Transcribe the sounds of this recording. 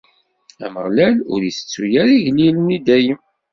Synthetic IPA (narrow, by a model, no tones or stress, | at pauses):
æ̰məʁlælʊ̰ɾiθə̥t͡sːujæɾiʝlilənid̪æjəm